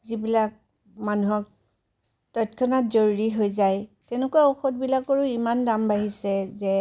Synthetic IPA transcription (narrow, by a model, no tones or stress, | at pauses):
zibilak̚ | manuɦɔk̚ | tɔtkʰɔnatzoɹuɹiɦojzajtɛnekuaɔxɔt̚bilakɔɹʊimandambaɦisɛzɛ